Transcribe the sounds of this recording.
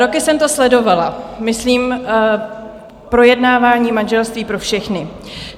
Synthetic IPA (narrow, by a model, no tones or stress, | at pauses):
ɾo̞kɪsɛmt̪o̞slɛdo̞valamɪsliːm | pɾo̞jɛdnaːvaːɲiːmanʒɛlst̪viːpɾo̞fʃɛxnɪ